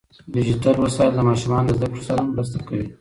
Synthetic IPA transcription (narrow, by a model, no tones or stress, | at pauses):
did͡ʒiʈalwasɑjld̪əmɑʃumɑnolazd̪akɽosaɾamɾəst̪akawi